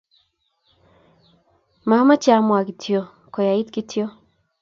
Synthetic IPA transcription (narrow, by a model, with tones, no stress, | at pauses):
ma˦ma˦t͡ʃa˦mwa˨ki˨tʰjo˦ | kɔ˨ja˨i˦tki˦tjo˦